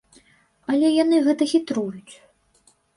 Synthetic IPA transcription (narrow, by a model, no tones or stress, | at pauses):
ɐlʲɛjanɨɣɛt̪ɐɣʲit̪ɾujut͡sʲ